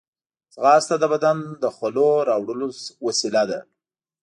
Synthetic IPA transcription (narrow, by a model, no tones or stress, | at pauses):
t͡sɣɑst̪ad̪əbad̪and̪əxwaloɾɑwɽəlowasilad̪a̰